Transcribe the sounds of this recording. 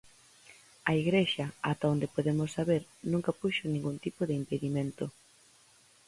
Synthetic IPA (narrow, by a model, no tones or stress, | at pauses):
ɐiɣɾeʃɐat̪aond̪epoðemosːaβeɾnũŋkɐpuʃonĩŋɡunt̪ipoðɪimpeðiment̪o